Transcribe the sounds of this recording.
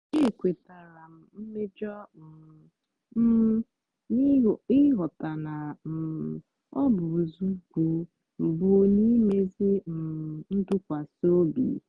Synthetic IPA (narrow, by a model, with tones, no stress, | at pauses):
e˦˨kʷe˨ta˨ɾa˨m̩˨m̩˦me˦d͡ʒɔ˦m̩˨˦ | i˦˨ɪ˦ɦɔ˨ta˨na˨m̩˨ | ɔ˦bʊ˨zu˦ɡu˨ | m̩˨bʊ˨o˨˦ni˦me˦zi˦m̩˨n̩˦dʊ˦kʷa˨so˦bḭ˨